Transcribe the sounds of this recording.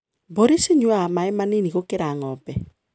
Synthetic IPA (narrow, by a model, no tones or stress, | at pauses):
boɾeseɲwamaɛmaneniɣokeɾaŋɔpɛ